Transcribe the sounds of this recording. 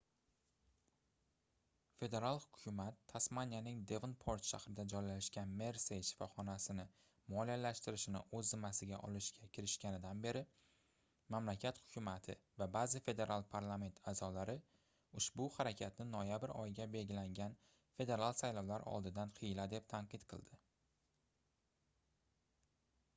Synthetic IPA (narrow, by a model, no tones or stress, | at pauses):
fe̞d̪e̞ɾalˠhʊkʲʰʊmat̪ʰːasmanʲjanɪŋd̪e̞vnpʰoɾt̪ʃa̰hɾɪd̪ad͡ʒɒjlaʃkʲanme̞ɾse̞jʃɪ̥fɒχɒnasɪnɪ | mɒlijalaʃt̪ɪɾɪʃɪnɪ̰ʔɵzːɪmːasɪɡʲaʔɒlɪʃkʲakʲʰɪɾɪʃkʲanɪd̪anbe̞ɾɪ | mamlakʲʰat̪hʊ̥kʲʰʊmat̪ʰɪ̰vabazɪfe̞d̪e̞ɾʔalˠpʰaɾlˠame̞nt̪ʰazɒlaɾɪ | ʊʃbʊhaɾakʲʰat̪nɪnɒjabɪɾɒ̰jɪɡʲabe̞lɡʲɪlaŋʲan | fe̞d̪e̞ɾalˠsajlɒwlaɾɒ̰lˠd̪ɪd̪anqʰɨjlad̪e̞p̚t̪ʰaɴqɨt̪qʰɨ̰lˠd̪ɪ